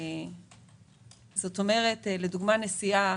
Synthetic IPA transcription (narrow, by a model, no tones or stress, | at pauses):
zo̞to̞me̞ʁe̞tle̞duɡmanesia